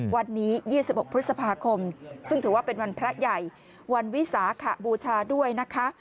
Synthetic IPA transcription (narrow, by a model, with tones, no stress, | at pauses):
wa˧nːiː˦˥jiː˥˩si˨˩p̚ʔo˨˩k̚pʰt̪̚sa˧pʰaː˧kʰo˧msɯ˥˩ŋt̪ʰɯː˩˦waː˥˩pe˧nwa˧npʰɾa˦˥ja˨˩j | wa˧nwi˦˥saː˩˦kʰa˨˩buː˧t͡ɕʰaː˧du˥˩əjna˦˥kʰa˦˥